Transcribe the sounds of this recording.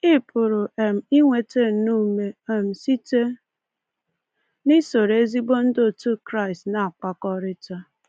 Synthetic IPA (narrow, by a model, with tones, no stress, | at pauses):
i˦pʊ˨ɾʊ˨e˨m̩˨i˦ŋʷe˨te˦n̩˨˦nu˦me˨e˨m̩˨si˦te˦ | ni˦so˨ɾe˦zi˦bo˦n̩˦do˦˨tu˦kɾa˦ɪ˨stna˨a˨k͡pa˨kɔ˦ɾɪ˦ta˦